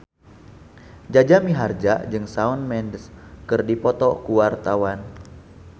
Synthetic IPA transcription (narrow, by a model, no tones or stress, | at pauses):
d͡ʒad͡ʒamiɦard͡ʒaʔd͡ʒɨŋsaunmɛndskɨrdipɔt̪ɔkuwart̪awan